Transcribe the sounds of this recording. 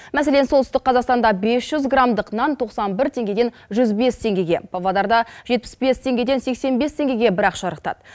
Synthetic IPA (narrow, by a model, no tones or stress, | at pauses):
mæse̞le̞nsolt̪ʏst̪ɪk̚qʰːɑzɑqst̪ɑnd̪ɑbe̞sʒ̥ʏzɡramd̪əqnɑnt̪ʰoqsɑnbɪɾt̪ʰe̞ŋɡʲe̞d̪e̞n | ʒʏzbe̞st̪ʰe̞ŋɡʲe̞ɡʲe̞̰pʰovɑd̪ɑɾd̪ɑʒ̥e̞t̪̚pɪ̥sbe̞st̪ʰe̞ŋɡʲe̞d̪e̞nse̞kse̞nbe̞st̪ʰe̞ŋɡʲe̞ɡʲe̞bɪɾɑqʃɑɾəqt̪ɑ̰d̪̥ə